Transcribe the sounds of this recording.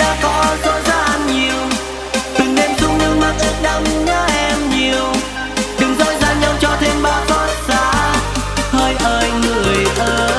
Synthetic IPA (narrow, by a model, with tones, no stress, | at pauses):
ɗa̰ː˧˥kɔ˨˦zo̰˧˥zaː˧˥˧ʔnɲi˨˩əw | t̪ɨ˨˩ŋɗe˧˩mzʊ˨˧˦ŋ͡mɲɨ˧ŋma˨˦˥k̚ʔɨ˦˥ək̚ɗə˧wŋ͡mɲəː˧˦ʔɛ˧mɲi˨˩əw | ɗɨ˨˩ŋ͡mzo˧˥jzaː˧nɲa˧wt͡ɕɔ˧t̪ʰe˧mɓaː˧˦wt̪ɔ˧˦t̚za̰ː˧˥ | həː˧jʔəː˧˩jŋɨ˧˨˩əəjʔəː˧